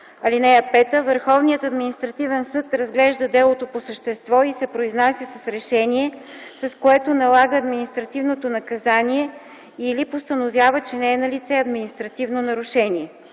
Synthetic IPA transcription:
ɐlinɛjəpɛt̪əvəɾxɔvnijət̪ɐd̪minist̪ɾɐt̪ivɛnsɤt̪ɾɐzɡlɛʒd̪əd̪ɛlˠot̪oposəʃt̪ɛst̪vɔisɛpɾoiznasʲəsɐsɾɛʃɛniɛsɐskoɛt̪onɐlˠaɡəːd̪minist̪ɾɐt̪ivnot̪onɐkɐzaniɛ | ilipost̪ənovʲjavət͡ʃɛnɛːnɐlit̪sɛɐd̪minist̪ɾɐt̪ivnonɐɾʊʃɛnʲiɛ

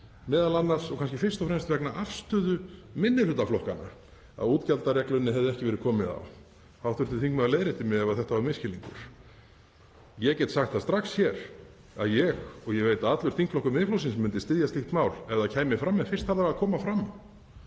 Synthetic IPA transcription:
mɛːðalanːaɾ̥sɔɣkʰans̬cɪfɪr̥st̪ɔfɾɛmst̪vɛknaʔafst̪ʏðʏmɪnːɪlʏt̪ːaflɔhkana̰ | a̰ðuːt̪calt̪arjɛklʏnːɪɦɛvðɛhcɪvɛɾɪkʰɔːmɪða̰w | hawθʏnt̪ɪ̥θiŋkmɛaleːjɾɪt̪ɪmjɛɛvaθɛht̪avaɾmɪscɪliŋkʏ̰ɾ̥ | jɛcɛt̪saxt̪ast̪ɾaxsçɛɾ̥ | a̰ðjɛɣɔɣjɛɣveːjt̪aat̪lʏɾ̥θiŋkflɔhkʏmɪðɪflows̬ɪnsmʏnt̪ɪst̪ɪðjast̪ɪxt̪maːwlɛðacʰaːjmɪfɾamːɛfɪr̥t̪aɾðaɾaðkʰɔːmafɾamː

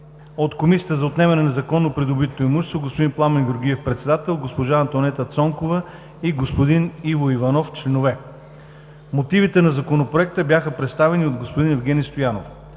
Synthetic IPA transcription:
ot̪komisijət̪əzɐot̪nɛmɛnɛnɐzɐkɔnːopɾid̪obit̪ːoɛmuʃst̪voɡospod̪inplˠamɛnɡʲoɾɡ̟iɛfpɾɛt̪sɛd̪at̪ɛlˠɡospoʒaːnt̪onɛt̪ət̪sɔŋkovə | iɡospod̪inivoivɐnɔft͡ʃlɛnovɛ | mot̪ivit̪ɛnɐzɐkonopɾoɛk̚t̪əbʲjaxəpɾɛt̪st̪avɛniod̪ɡospod̪inɛvɡʲɛnʲist̪ojano̰f

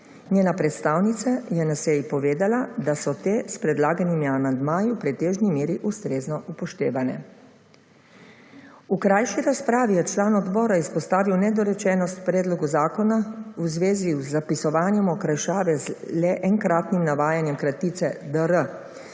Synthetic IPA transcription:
ɲeːnapɾɛt̪st̪aːwnit̪sajɛnasɛjipɔʋeːd̪alad̪asɔt̪eːspɾɛd̪laːɡanimiamand̪maːjiwpɾɛt̪eːʒnimeːɾiʔust̪ɾeːznɔʔupɔʃt̪eːʋanɛ̰ | ukɾaːjʃiɾaspɾaːʋijɛt͡ʃlaːnɔd̪bɔːɾaispɔst̪aːʋiwnɛd̪ɔɾɛt͡ʃɛːnɔst̪pɾɛːd̪lɔɡuzaːkɔnauzʋeːzizːapisɔʋaːnjɛmɔkɾajʃaːʋɛzlɛʔɛŋkɾaːt̪nimnaʋaːjanjɛmkɾat̪iːt̪sɛd̪əɾə

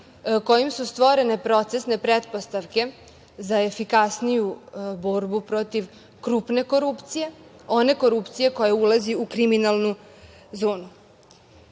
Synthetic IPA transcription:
ko̞jimsust̪ʋo̞ɾe̞ne̞pɾo̞t̪se̞sne̞pɾet̪post̪aʋke̞ | zaefikasnijubo̞ɾbupɾo̞t̪iʋ | kɾuːpne̞ko̞ɾupt̪sije̞ | o̞ne̞ko̞ɾupt̪sije̞ko̞jaulaziukɾiminalˠnu | zoːnu

